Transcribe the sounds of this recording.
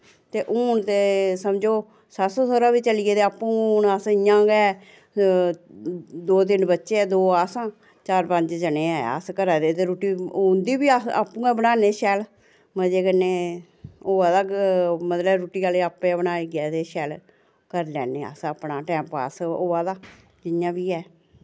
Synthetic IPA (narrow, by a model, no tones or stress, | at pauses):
t̪eːʔuːɳt̪esəmd͡ʒoː | sasoːsoːɾaːbiːt͡ʃəlieːt̪eːaːpːũːnəsɪjãːɡɛː | d̪oːt̪̬ɪnbətːʃeːɛːd̪oːaːsãː | t͡ʃaːɾpə̃ɲd͡ʒd͡ʒəneːɛːə̰skəɾaːd̪eːt̪eːɾuːʈiːʊnd̪iːbiːaa̰ːpːũːɛːbənaːneːʃɛːl | məd͡ʒeːkənːeː | oːaːd̪aːmət̪ləbɾuːʈiːkaːleaːpːẽabənaːiːɡɪɛːt̪eːʃɛːl | kəɾlɛ̰ːneːə̰səpnaːʈɛ̃ːmpa̰ːsoːaːd̪aː | d͡ʒɪjãːbiːɛː